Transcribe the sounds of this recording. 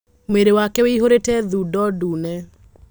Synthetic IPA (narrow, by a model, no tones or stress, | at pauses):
mweɾewakɛweiɦoɾetɛðuːdɔduːnɛ